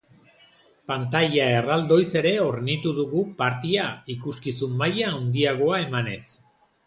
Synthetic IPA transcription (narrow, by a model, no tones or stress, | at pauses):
pant̪aʎae̞rald̪o̞jse̞ɾe̞o̞ɾnit̪uðuɣupaɾt̪iaikuskisumːajaːwnd̪iaɣ̞o̞ae̞mane̞s